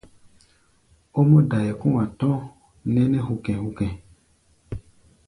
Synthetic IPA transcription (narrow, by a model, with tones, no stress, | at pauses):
o˦mo˦da˨jɛ˨kũ˦wã˨tɔ̃˦ | nɛ̃˦nɛ̃˦ɦu˨kɛ̃˨hu˨kɛ̃˨